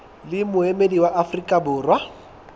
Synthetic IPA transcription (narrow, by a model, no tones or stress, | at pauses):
lɪmʊemediwaʔafrikʼabʊːrwa